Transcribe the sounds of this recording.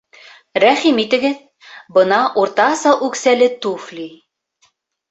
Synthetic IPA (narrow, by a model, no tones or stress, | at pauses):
ɾæχimit̪ɘ̆ɡɘð | bɤ̆nɑʔuɾt̪ɑsɑlˠʉksælɘt̪uflʲi